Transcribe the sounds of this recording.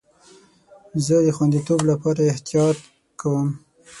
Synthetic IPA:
zəd̪əxwand̪it̪oblapɑɾaɪht̪ijɑt̪̚ | kawəm

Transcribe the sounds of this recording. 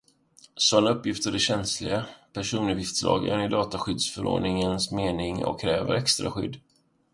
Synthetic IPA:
sɔnɵpːjɪft̪əɖɛɕɛnslɪɡapʰæʂuːnɵvjɪft̪slɑ̰ːɡæ̰nɪd̪ɑːt̪aɧʏd̪sfœɾo̰ːɖɳɪŋənsmeːnɪŋɔ̰kʰːɾɛːvə̰ɾɛkst̪ɾa̰ɧʏ̰d̪ː

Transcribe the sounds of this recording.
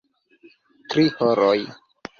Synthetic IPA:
tɾihoɾoj

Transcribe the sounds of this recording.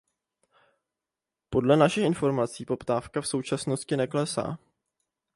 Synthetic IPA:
po̞dlɛnaʃɪxʔɪnfo̞ɾmat͡siːpo̞pt̪aːfkafso̞wt͡ʃasno̞scɪnɛklɛsa̰ː

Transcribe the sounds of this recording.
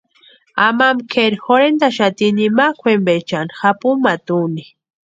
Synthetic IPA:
amamkʰeɾixoɾend̪aʃat̪inimakʰʷwembet͡ʃanxapumat̪uni

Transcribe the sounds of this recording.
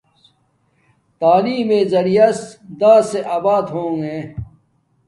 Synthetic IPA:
t̪aːliːmẽːzɐɾijɐsd̪aːseʔaːbaːd̪ɦõːŋẽː

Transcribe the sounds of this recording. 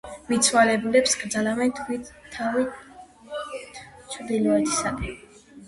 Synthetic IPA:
mit̪sʰwalɛbulɛpskʼɾd̪zalamɛnt̪ʰwit̪ʰavi | t̪t͡ʃʰɾd̪ilɔɛt̪ʰi̥sad̪ɛ

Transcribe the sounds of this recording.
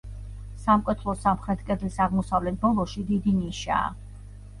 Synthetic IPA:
samkʼwɛt̪ʰlˠɔsamχɾɛt̪ʰkʼɛd̪lisaʁmɔsavlɛt̪̚ʰbɔlˠɔʃid̪id̪iniʃa̰ː

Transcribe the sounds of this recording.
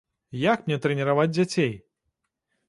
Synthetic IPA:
jakmʲnʲɛt̪ɾɛnʲɛɾavad͡zʲd͡zʲat͡sʲej

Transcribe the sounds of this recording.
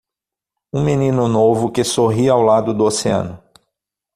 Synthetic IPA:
ũminĩnʊnovʊkɪsoɦiɐawlad̪ʊd̪ʊoseɐ̰̃nʊ

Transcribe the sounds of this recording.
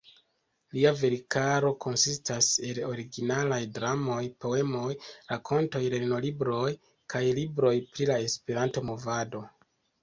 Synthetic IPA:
liave̞ɾikaɾo̞kʰo̞nsistase̞lo̞ɾiɡinalajdɾamo̞jpo̞e̞mo̞jɾakʰo̞nto̞jɾeno̞libɾo̞j | kajlibɾo̞jpɾilae̞spe̞ɾanto̞mo̞vado̞

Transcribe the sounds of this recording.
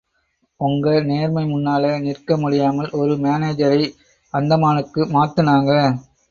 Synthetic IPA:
ʊŋɡɐneːɾmɐɪmʊnːaːlɐnɪrkɐmʊɽɪjaːmɐlʔɔɾɯmeːneːd͡ʒɐɾɐɪ | ɐnd̪ɐmaːnɯkːɯmaːt̪ːɯnaːŋɡɐ

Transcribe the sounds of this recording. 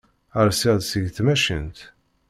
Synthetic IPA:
əɾsiðsəʝθmæʃə̰nt̪

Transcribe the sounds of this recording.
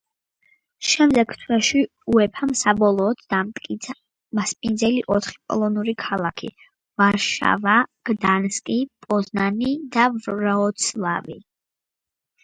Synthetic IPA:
ʃɛmd̪ɛɡt̪ʰwɛʃi | uɛpʰamsabɔlˠɔːd̪d̪amt̪kʼia | maspʼind̪zɛliʔɔt̪ʰχi̥pʼɔ̰lˠɔnuɾikʰalˠakʰḭ | vaɾʃa̰vaɡ̥d̪anskʼipʼɔznanid̪avɾaɔt̪sʰlˠa̰vi

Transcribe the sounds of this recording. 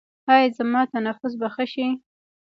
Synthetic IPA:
hɑjzamɑt̪anafʊs̬baxəʃi

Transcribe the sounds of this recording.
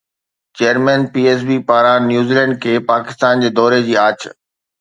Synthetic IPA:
t͡ɕeːəɾmɛ̃npiːeːs̬biːpaːɾãnjuːziːlɛ̃ɳɖ̚kʰeːpaːkɪ̥st̪aːnd͡ʑeːd̪ɔːɾed͡ʑiːaːt͡ɕ

